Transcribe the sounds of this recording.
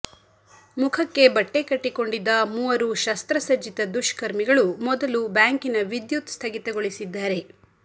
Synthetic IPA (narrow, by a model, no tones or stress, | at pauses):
mukʰɐkːe̞bɐʈːe̞kɐʈːiko̞ɳɖid̪ːɐmuːʋɐɾuʃɐst̪ɾɐsɐd͡ʒit̪ɐd̪uʃkɐɾmiɡɐɭumɔd̪ɐlubaːŋkinɐʋid̪jut̪st̪ʰɐɡit̪ɐɡoɭisid̪ːaːɾe̞